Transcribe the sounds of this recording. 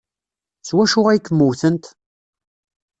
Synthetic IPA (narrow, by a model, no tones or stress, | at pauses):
swæʃʊʁæjkːəmːuwθənt̪